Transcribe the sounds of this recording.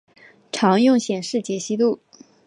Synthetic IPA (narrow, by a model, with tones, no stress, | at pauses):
ʈ͡ʂʰɑ˧˥ŋjʊ˥˩ŋɕjɛ˨˩nʂɻ̩˥˩t͡ɕjɛ˧˥ɕi˥t̪u˥˩